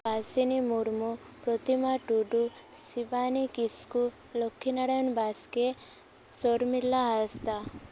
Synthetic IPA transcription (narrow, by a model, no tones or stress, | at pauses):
basinimuɾmu | pɾot̪imaʈuɖu | siʋaːnikisku | lokʰːinɐɽɐjonbaːske | soɾmilːaɦast̪a